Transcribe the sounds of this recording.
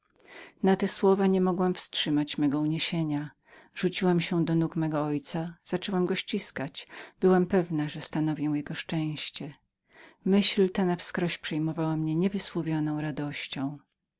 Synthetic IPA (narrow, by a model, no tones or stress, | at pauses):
nat̪ɛswɔvaɲɛmɔɡwamfstʂɘmat͡ɕmɛɡɔuɲeɕeɲa | ʐ̥ut͡ɕiwamɕɛd̪ɔnukmɛɡɔɔjt̪saz̥at͡ʂɛwamɡɔɕt͡ɕiskat͡ɕb̥ɘwampɛvnaʐɛst̪anɔvʲjɛw̃jɛɡɔʂt͡ʂɛ̃w̃ɕt͡ɕɛ | mɘɕlt̪anafskɾɔɕpʂɛjmɔvawamɲɛɲɛvɘswɔvʲjɔnɔ̃w̃ɾad̪ɔɕt͡ɕɔ̃w̃